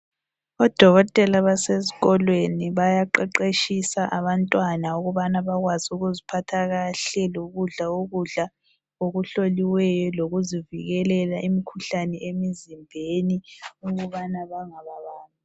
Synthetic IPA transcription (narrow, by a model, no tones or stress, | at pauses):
ɔd̥ʱɔɣɔtʼɛlaβaseziɣɔlweniβajaǃɛǃeʃisaʔaβantʼwanauɣuβanaβaɣwazuɣuzipʰatʰaɣaɬɛloɣuɮaoɣuɮa | oɣuɬoliwɛjɔloɣuziviɣɛlɛlaʔimikʰuɬanɛemizimbʱeniuɣuβanaβaŋaβaβaːnʼu